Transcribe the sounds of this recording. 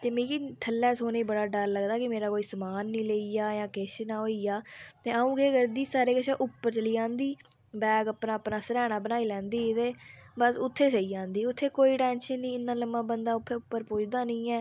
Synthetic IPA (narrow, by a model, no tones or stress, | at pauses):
t̪eːmĩːkiːt̪ʰəlːɛːsoːneːbəɽaːɖəlːəɡd̪aːkɪmeːɾaːkoːiːsəmaːnːĩːleiːjaːjãːkeʃnaːɦoːiːjaːt̪eːəũːkeːɡəɾd̪iːsaːɾeːkəʃẽːʔʊpːəɾt͡ʃəliːãːnd̪iː | bɛːɡəpnãːəpnãːsəɾɛːɽ̃aːbənaːiːlɛ̃ːnd̪iːt̪eːbəsʊt̪ʰːeːsəiːd͡ʒãːnd̪iːʊt̪ʰːeːkoːiːʈɛːnʃənːĩːɪnːãːləmːãːbənd̪aːʊt̪ʰːeʊpːəɾpʊːd͡ʒd̪aːnĩːɛː